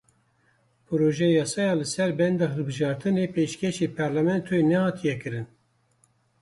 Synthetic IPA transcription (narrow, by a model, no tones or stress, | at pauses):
pʰɨɾoːʒɛjɑːsɑːjɑːlɨsɛɾbɛnd̪ɑːɦɨlbɨʒɑːɾt̪ʰɨnepeʃkʰɛʃepʰɑɾlæmɛnt̪ʰoenɛhɑːt̪ʰijɛkɨɾɨn